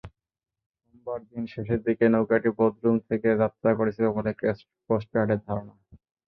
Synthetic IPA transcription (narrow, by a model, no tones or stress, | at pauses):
nɔmbaɾd̪inʃeʃeɾd̪ikenowkaʈibod̪ʱɾumt̪ʰekeɾat̪ːakoɾet͡ɕʰilobolek | kosʈaɖeɾd̪ʱaɾona